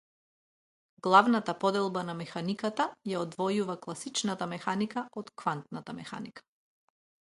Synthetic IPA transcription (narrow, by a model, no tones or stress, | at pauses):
ɡlˠavnat̪apɔd̪ɛlˠbanamɛxanikat̪ajaɔd̪vɔjuvaklˠasit͡ʃnat̪amɛxanikaɔt̪kvant̪nat̪amɛxa̰nikḁ